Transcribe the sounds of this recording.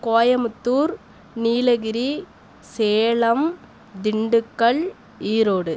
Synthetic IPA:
koːjɐmɯt̪ːuːɾ | niːlɐɣɪɾi | seːɭɐm | d̪ɪɳɖɯkːɐɭ | iːɾoːɽɯ

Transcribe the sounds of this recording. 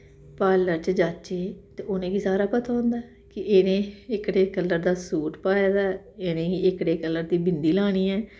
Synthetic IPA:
paːləɾt͡ʃd͡ʒaːt͡ʃeːt̪eːonẽːɡiːsaːɾaːpət̪ʰaːõːnd̪aː | kɪʔeːnẽːɪkɽeːkəlːəɾd̪aːsuːʈpaːjaːd̪aːeːnẽːiːɪkɽeːkəlːəɾd̪iːbɪnd̪iːlaːɽ̃iːɛː

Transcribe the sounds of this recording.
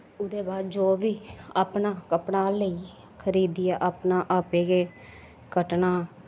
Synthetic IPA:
ʊd̪eːbaːd̪d͡ʒoːbiːaːpnãːkəpnaːləiː | kʰəɾiːd̪ijaʔaːpnãːʔaːpeːɡeː | kəʈnaː

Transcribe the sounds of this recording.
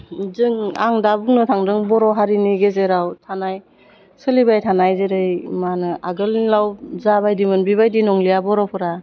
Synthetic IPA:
zɯŋa̰ŋdabuŋnɯtʰaŋdɯŋbɔɾɔɦaɾiniɡezeɾawtʰanaj | sɯlibajtʰanajzeɾɯjmanɯaɡɯllawzabajdimɯnbiβajdinɔŋlijabɔɾɔpʰɯɾa

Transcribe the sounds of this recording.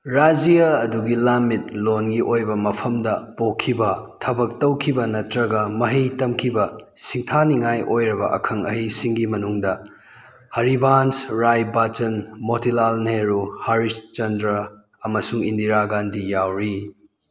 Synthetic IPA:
ɾad͡ʒijaɐduɡilamit̚lonɡiʔojbɐmɐpʰɐmdɐpokʰːibɐtʰɐbɐk̚tɐwkʰibɐnɐtɾɐɡɐmɐɦijtɐmkʰibɐ | siŋtʰaniŋajʔojɾɐbɐ̰ʔɐ̰kʰɐŋɐɦijsiŋɡimɐnuŋdɐ | hɐɾibansɾajbat͡ʃɐnmotilalneɾuhaɾist͡ʃɐndɾɐ | ɐmɐsuŋindiɾaɡandijawɾi

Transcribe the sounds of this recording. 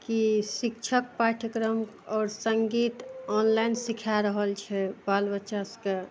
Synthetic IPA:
kisik̚t͡ʃʰəkpaʈʰəkɾəm | ɔːɾsəŋɡit̪ɔnlainsikʰaɾəɦəlt͡ʃʰɛbalbətːʃaske

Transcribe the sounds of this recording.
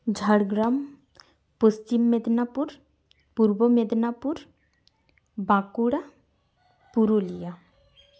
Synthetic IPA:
d͡ʒʱaɽɡɾam | post͡ʃimːed̪napuɾ | puɾbomed̪napuɾ | bãkuɽa | puɾulija

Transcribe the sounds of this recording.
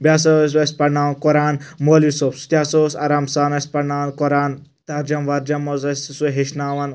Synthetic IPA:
bʲjaːs̬ɐs̬ʲʋɐs̚ʲpɐɽnaːʋnkoɾaːnmoːlisopsu̥t̪jaːsoːsɐɾaːmsaːnɐsʲpɐɽnaːʋnkoɾaːn | t̪ɐɾd͡ʒɐmʋɐɾd͡ʒɐmozɐsʲsuɦeʃnaːʋɐn

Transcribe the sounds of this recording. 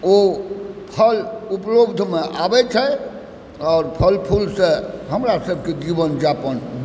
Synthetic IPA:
opʰəluplobd̪ʱmeʔabɛt͡ʃʰɛ | ɔːɾpʰəlpʰulsẽɦəmɾasəbʱked͡ʒibənd͡ʒapən

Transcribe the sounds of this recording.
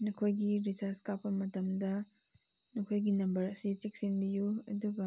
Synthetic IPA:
nukʰojɡibisaskapːɐmɐtɐmdɐ | nukʰojɡinɐmbɐɾɐsit͡ʃik̚sinbijuɐ̰duɡɐ

